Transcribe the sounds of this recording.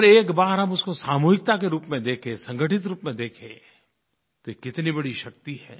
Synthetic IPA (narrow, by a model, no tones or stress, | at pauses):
ɾeːkbaːɾɦɐmʊskosaːmuːɦɪk̚t̪akeɾuːpmẽd̪eːkʰẽsɐ̃ŋɡʱəʈɪt̪ɾuːpmẽd̪eːkʰḛ̃ | t̪oekːɪt̪nibɐɽiʃɐk̚t̪iɦɛ̰ː